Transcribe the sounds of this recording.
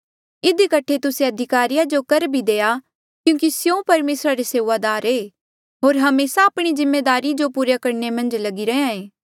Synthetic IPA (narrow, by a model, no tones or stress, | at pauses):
ɪd̪ikɐʈʰːet̪ʊsẽɐd̪ʱɪkaːɾijad͡ʒokɐɾbʱid̪eːa | kjũːkisjõpɐɾmeːsɾaɾeseːʋaːd̪aːɾeː | ɦoːɾɦɐmeːsaːpɽ̃izɪmːeːd̪aːɾid͡ʒopuːɾjakɐɾnemɐ̃nd͡ʒlɐɡiɾɐãẽː